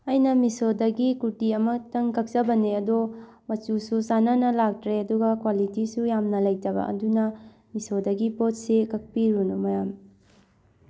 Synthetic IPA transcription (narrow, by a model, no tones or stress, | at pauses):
ɐjnɐmisodɐɡikutiɐmɐtɐŋkɐk̚t͡ʃɐbɐneɐdo | mɐt͡ʃususanɐnɐlak̚tɾeɐduɡɐkwalitisujamnɐlɐjtɐbɐ̰ʔɐ̰dunɐ | misodɐɡipot̚sekɐk̚piɾunumɐjam